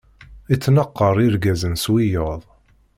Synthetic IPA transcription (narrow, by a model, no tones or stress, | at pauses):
it͡sːnəqːəɾˤiɾɡæzənswijəðˤ